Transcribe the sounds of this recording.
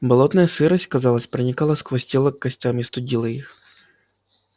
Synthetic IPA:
bɐlˠɔt̪nɐjɐsɨɾɐsʲtʲkɐzɑlˠɐsʲpɾɪnʲikɑlˠɐskʋɐsʲtʲilˠɐkːɐsʲtʲamʲist̪ʊdʲilˠɐjix

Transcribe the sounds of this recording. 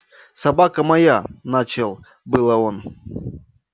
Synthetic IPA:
sɐbakəmɐjanat͡ɕɪlˠ | bɨlˠəon

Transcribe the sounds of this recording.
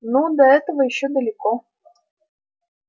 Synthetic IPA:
nud̪ɐɛt̪əvəjɪɕːod̪əlʲɪko

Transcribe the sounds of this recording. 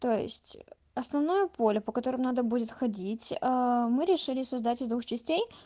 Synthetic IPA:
t̪o̞jɪ̰sʲtʲ | ɐsnɐvnajəpolʲʊpəkɐt̪o̞ɾɨmnad̪əbudʲɪt̪xɐdʲitʲəmɨɾʲɪʂɨlʲɪsɐzd̪atʲɪzd̪vuxt͡ɕɪsʲtʲej

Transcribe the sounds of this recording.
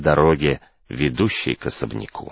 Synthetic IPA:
d̪ɐɾoɡʲɪ | vʲɪd̪uɕːɪ̰jkɐsəbnʲɪ̰kʰṵ

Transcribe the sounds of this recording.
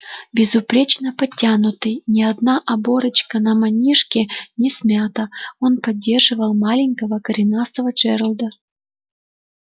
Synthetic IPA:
bʲɪzʊpɾʲet͡ɕnəpɐtʲːanʊt̪ɨjnʲɪɐd̪naʔɐbo̞ɾɨt͡ɕkənɐmɐnʲiʂkʲɪnʲɪsmʲat̪əo̞npɐdʲːe̞rʐɨvəlˠmalʲɪŋʲkəvəkəɾʲɪnast̪əvət͡ʂɛɾəlˠd̪ə

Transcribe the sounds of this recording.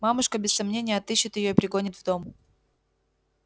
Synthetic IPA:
mamʊʂkəbʲɪsːɐmnʲenʲɪjəɐt̪ɨɕːɪt̪jɪjo̞ipɾʲɪɡo̞nʲɪt̪vd̪o̞mʊ

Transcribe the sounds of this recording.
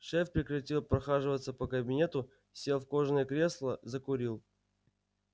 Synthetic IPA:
ʂɛfpɾʲɪkrɐtʲilˠpɾɐxaʐɨvət̪səpəkəbʲɪnʲe̞t̪ʊ | sʲe̞lˠfko̞ʐnəjəkɾʲe̞slˠəzəkʊɾʲilˠ

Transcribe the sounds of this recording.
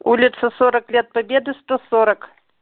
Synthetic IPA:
ulʲit̪sɐsɔɾɐklʲɛt̪̚pabʲɛd̪ɨst̪ɔsɔɾɐk

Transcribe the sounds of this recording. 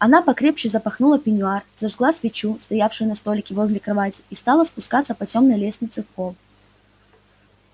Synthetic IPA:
ɐnapɐkɾʲe̞pɕɪzəpɐxnulˠəpʲɪnʲʊarzɐʐɡlˠasvʲɪt͡ɕust̪ɐjafʂɨjʊnɐst̪o̞lʲɪkʲɪvo̞zʲlʲɪkɾɐvatʲɪ̥ist̪alˠəspʊskat̪səpɐtʲo̞mnəjlʲesʲnʲɪt̪sɨfpo̞lˠ

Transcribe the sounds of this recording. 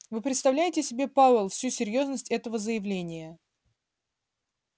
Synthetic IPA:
vɨpɾʲɪt̪st̪ɐvlʲæjɪtʲɪsʲɪbʲe̞pavlˠfsʲusʲɪɾʲjo̞znəsʲtʲɛt̪əvəzəjɪvlʲenʲɪjə

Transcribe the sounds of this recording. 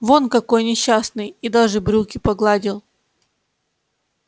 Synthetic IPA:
vo̞nkɐko̞jnʲɪɕːasnɨjid̪aʐɨbɾʲukʲɪpɐɡlˠadʲɪlˠ

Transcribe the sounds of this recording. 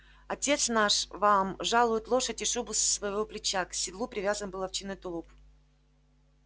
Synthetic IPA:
ɐtʲe̞t̪snaʂvamʐalˠʊjɪt̪lˠo̞ʂətʲɪʂubʊssvɐjɪvoplʲɪt͡ɕaksʲɪd̪lˠupɾʲɪvʲazənbɨlˠɐft͡ɕinɨt̪ʊlˠup

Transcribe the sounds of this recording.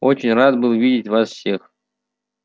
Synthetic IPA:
ot͡ɕɪnʲrat̪bɨlˠvʲidʲɪtʲvasfsʲe̞x

